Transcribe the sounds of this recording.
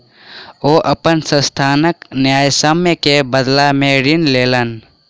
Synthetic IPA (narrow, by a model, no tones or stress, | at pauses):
oːʔɐpənsə̃st̪ʰaːnəknjaːjsəməkebəd̪lamẽɾɪnleːlən